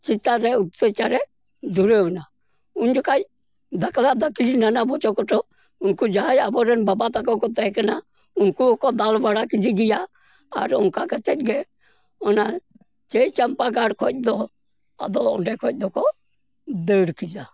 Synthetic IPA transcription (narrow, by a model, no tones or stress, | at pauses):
t͡ʃit̪ːaɾɛʊt̪ːet͡ʃaɾɛ | d͡ʒuɾeʋna | ʊnd͡ʒɔkat͡ʃ | d̪əklad̪əklinanabɔt͡ʃɔkɔʈɔ | ʊnkud͡ʒaɦajabɔɾɛnbabat̪akɔkɔt̪ɛɦɛkəna | ʊnkukɔd̪albaɽakid͡ʒiɡija̰ː | ɾʊ̰nkakət͡ʃɛt̚ɡɛ | ɔna | t͡ʃeit͡ʃɐmpaɡaɽkʰɔt̚d̪ɔ | a̰d̪ɔʊ̰nɖɛkʰɔt̚ˀd̪ɔkɔ | d̪əɽkid͡ʒa